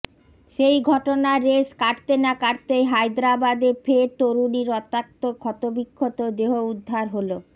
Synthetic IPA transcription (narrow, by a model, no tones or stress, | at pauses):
ʃejɡʱɔʈonaɾeʃkaʈt̪enakaɾt̪ejɦajd̪ɾabad̪efet̪oɾuniɾɔt̪ak̚t̪okʰɔt̪obikʰːot̪od̪eɦoud̪ʱːaɾɦolo